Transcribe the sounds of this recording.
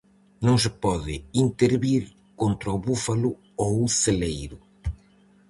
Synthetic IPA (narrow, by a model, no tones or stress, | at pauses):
nõŋs̬ɪpɔðɪ̰int̪eɾβiɾ | kont̪ɾɐuβufalʊ | owuselejɾʊ